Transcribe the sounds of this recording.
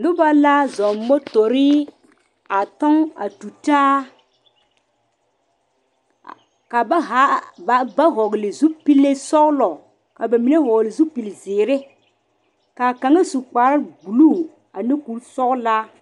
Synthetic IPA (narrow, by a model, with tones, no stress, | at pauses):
nʊ˦ba˦la˦zɔ˨mmo˦to˨ɾi˦ | a˨tɔ˦ŋa̰˨tu˨ta˦˨ | ka˨ba˦ɦa˦ba˨˦ba˦ɦɔ˨ɡlɪ˨zu˦pi˦lːe˦sɔ˦ɡlɔ˨ | ka˨ba˨mi˨ne˦ɦɔ˨ɡlɪ˨zu˦pi˨lzɪː˨ɾɪ˦ | ka˨ka˨ŋa˦su˨k͡pa˨ɾa˦ɡu˨lu˦˨ | a˨nɪ˦ku˨˦lsɔ˦ɣla˦